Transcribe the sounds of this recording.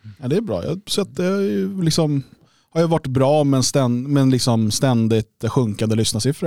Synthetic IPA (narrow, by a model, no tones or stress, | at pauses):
ɛd̪ɛːbɾɑ̰ːjɑ̰ːsɛt̪̚d̪ɛajlɪksɔm | haɾjavaʈːbɾɑːmɛnst̪ɛnmɛnlɪksɔmst̪ɛnd̪ɪt̪ɧɵŋkand̪əlʏsnasɪfɾə